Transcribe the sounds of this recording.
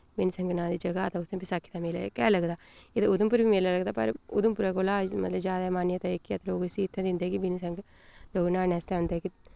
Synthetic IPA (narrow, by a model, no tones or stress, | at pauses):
bɪnsəŋɡnãːd̪iːd͡ʒəɡaːt̪ãːʊsẽːpɪsakʰːi̥t̪ãmeːla̰kɛːləɡd̪aːeːt̪ãːʊd̪əmpʊɾbiːmeːlaːləɡd̪aːpə̰ɾʊ̰d̪ʊmpʊɾaːkoːlaːmə̰t̪ləbzjaːd̪aɛmaːnjẽt̪aekːiat̪ːloːɡsiɪt̪ʰːɛ̃d̪ɪnd̪eɛːkɪʋɪnisə̃ŋɡ | loːɡnaːnɛːst̪ɛ̃ːʊ̃nd̪eɛːkɪ